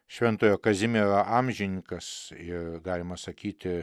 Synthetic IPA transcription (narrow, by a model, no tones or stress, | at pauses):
ʃʲʋʲɛnt̪oːjoːkɐzʲɪmʲeɾɐʔɑmʲʒʲɪnʲɪkɐsɪrɡɑːlʲɪmɐsɐkʲiːt̪ʲɪ